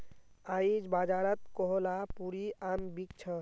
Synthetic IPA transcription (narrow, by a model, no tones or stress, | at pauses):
aid͡ʒbad͡ʒaɾət̪̚kɔɦɔlapuɾiambik̚t͡ʃʰə